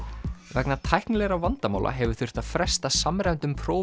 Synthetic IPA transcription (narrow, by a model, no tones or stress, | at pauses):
vɛknat̪ʰajhknlɛɾavant̪ama̰ːwlʔa̰ɦɛvʏ̥ɾ̥θʏr̥t̪að̥fɾɛst̪asamɾɛnt̪ʏmpʰɾoːw